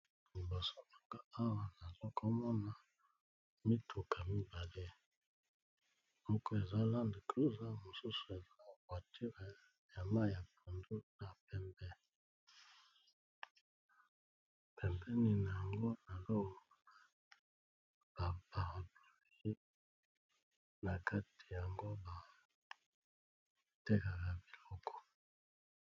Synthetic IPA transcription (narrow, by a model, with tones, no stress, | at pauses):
li˨bo˨sɔ˦ɔ˦ka˨a˦wa˨na˨lɔ˦ka˦mɔ˦na˨ | mi˦tʰu˨kʰa˨mi˦ba˨le˦ | ɔ˦kɔ˦e˨za˦la˦ndi˨klo˦za˦mo˨su˦su̥˨e˨za˦˨kwa˨tʰi˦ʁe˨ | ja˨ma˦˨ja˨pʰu˨ndu˦na˨pɛ˦mbɛ˦ | pɛ˨mbɛ˦ni˦˨na˨ja˨ŋɡo˦na˨lɔ˦ɔ˨a˨ | b̥a˨ba˨ʁa˨blo˨˦i˦ | na˨ka˦ti̥˨ja˨ŋɡo˦ba˨ | te˦ka˨ka˨bi˨lɔ˦kɔ̥˨